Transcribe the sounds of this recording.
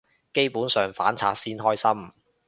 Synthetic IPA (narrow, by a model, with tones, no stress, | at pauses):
ke˥jpuː˨˥nsœː˨ŋfa̰ː˨˥nt͡sʰaː˧˥t̚siː˥nɦɔː˥jsɐ˥m